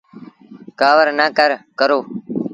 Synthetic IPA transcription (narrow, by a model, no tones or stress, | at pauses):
kaːʋəɾnaːkəɾkəɾoː